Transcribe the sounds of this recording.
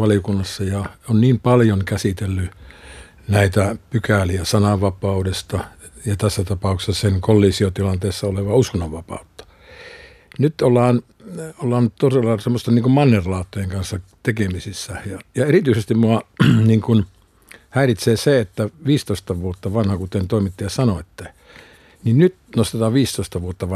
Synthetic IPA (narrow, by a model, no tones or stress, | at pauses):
ʋɑlijokunːɑsːɑjɑonniːmpɑljoŋkæsit̪elːy | næit̪æpykæliæsɑnɑʋʋɑpɑudest̪ɑjɑt̪æsːæt̪ɑpɑˑukse̥sɑseŋkolːiːsiot̪ilɑnt̪eˑːsːɑoleʋɑuskonːɑʋʋɑpɑ̰ˑut̪ːɑ̥ | nyt̪olːɑːn | olːɑːnt̪oselːɑsemːost̪enniːŋkummɑnːerlɑːt̪ːojeŋkɑnsːɑt̪ekemisisːæjɑjɑerit̪yisest̪immuɑniːŋkun | hæirit̪seːseet̪ːæʋiːst̪oist̪ɑʋuot̪ːɑʋɑnhɑkut̪ent̪oˑimit̪ːijɑsɑnoet̪ːe | ninnyt̪nost̪et̪ɑːʋʋiːst̪oist̪ɑʋuot̪ːɑʋɑ